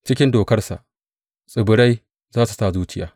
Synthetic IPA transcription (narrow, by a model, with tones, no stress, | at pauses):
t͡ʃɪ˦kʲɪ˦ndoː˨kɐ˦rsa̰˨ʔ | sʼɪ˨bʊ˨ɽa˦j | zaː˦su˨saː˦˨zuː˦t͡ʃɪ˦ja̰ː˨